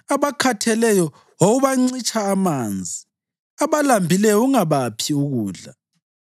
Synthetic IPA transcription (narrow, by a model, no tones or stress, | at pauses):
aβakʰatʰɛlɛjɔ | woɣuβaŋ͡ǀit͡ʃʰʼaːmaːnd͡zʱi | aβalambʱilɛjɔuŋaβapʰiuɣuːɮa